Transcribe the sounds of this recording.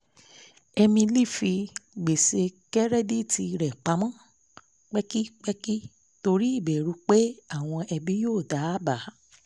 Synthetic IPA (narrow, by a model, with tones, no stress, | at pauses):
ɛ˧mĩ˧li˦˨fi˧ɡ͡be˨se˧kɛ˦ɾɛ˦˨di˦˨ti˧ɾɛ˨k͡pa˨˦mã˦˨ | k͡pɛ˦ki˦k͡pɛ˦ki˦ | to˧ɾi˦i˦˨bɛ˨ɾu˧˦k͡pe˦a˦˨w̃ɔ̃˧ʔɛ˧bi˦joː˦˨da˨˦ba˨˦